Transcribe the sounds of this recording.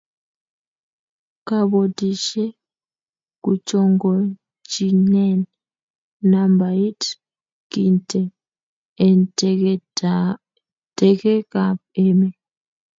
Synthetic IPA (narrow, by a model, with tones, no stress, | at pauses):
ka˨ɓo˨tʼi˨ʃɛ˦ | kut͡ʃʼɔ˨ŋɡɔ˨ | t͡ʃi˨nɛ˦n | na˨mba˨i˦t | ki˦ntʰʼɛ | tʼɛ˨kɛ˦ka˨pɛː˦mɛ˨